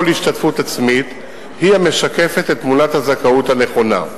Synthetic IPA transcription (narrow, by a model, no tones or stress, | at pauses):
olhiʃtatfutat͡smit | hihame̞ʃake̞fe̞tetːmunathazakauthane̞χo̞na̰